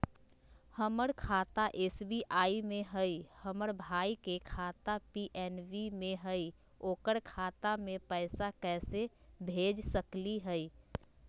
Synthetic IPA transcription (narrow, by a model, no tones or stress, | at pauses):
həməɾkʰat̪aʔesbiʔaimẽɦəjhəməɾbʱaikekʰat̪apiʔɛnʋimẽɦəi | oːkəɾkʰat̪amẽpəɪsakɛsebʱed͡ʒsəkliɦəi